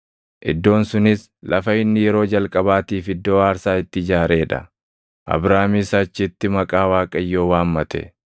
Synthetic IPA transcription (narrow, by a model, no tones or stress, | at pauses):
ʔɪd̪ːo̞ːnsʊnɪs | lɐfɐɪnːɪjɛɾo̞ːd͡ʒɐlkʼɐbaːt̪iːfɪd̪ːo̞ːaːɾsaːɪt̪ːɪɪd͡ʒaːɾe̞ːᶑɐ̰ | ʔɐ̰bɾaːmɪsɐt͡ʃːɪt̪ːɪmɐkʼaːwaːkʼɐjːo̞ːwaːmmɐt̪ɛ̰